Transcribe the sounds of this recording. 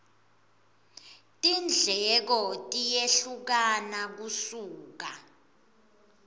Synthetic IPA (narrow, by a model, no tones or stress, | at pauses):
tʼind͡ɮʱɛk̬ɔtʼijeɬuk̬anak̬usuːk̬a